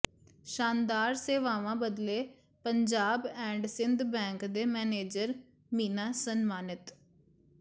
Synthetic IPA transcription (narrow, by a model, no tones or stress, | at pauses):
ʃaːnd̪aːɾseːʋaːʋãːbəd̪leː | pəɲd͡ʒaːbɛ̃ːɳɖsɪnd̪bɛ̃ːŋkd̪eːmɛːneːd͡ʒəɾ | miːnaːsənmaːnɪt̪